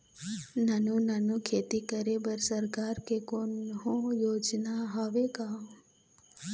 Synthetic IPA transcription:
nanũnanũkʰeːt̪ikəɾebəɾsəɾkaːɾkekonɦõjoːd͡ʒnaɦaʋekã

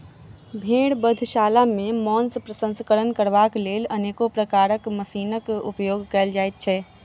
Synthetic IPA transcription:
bʱeɽbəd̪ʱʃalamemɔnspɾəsə̃nskəɾənkəɾbaklelənekopɾəkaɾəkməsiːnəkṵpjoɡkɛːld͡ʒajt̪̚t͡ʃʰɛ

